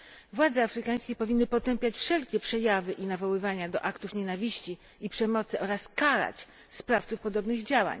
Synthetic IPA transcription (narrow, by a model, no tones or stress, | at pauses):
vwad̪zɛafɾɘkaj̃skʲɛpɔvʲinːɘpɔt̪ɛmpʲjat͡ɕfʂɛlkʲɛpʂɛjavɘʔinavɔwɘvaɲad̪ɔʔakt̪ufɲɛnavʲiɕt͡ɕi | ipʂɛmɔt̪sɘʔɔɾaskaɾa̰t͡ɕ | spɾaft̪sufpɔd̪ɔbnɘɣd͡ʑawa̰ɲ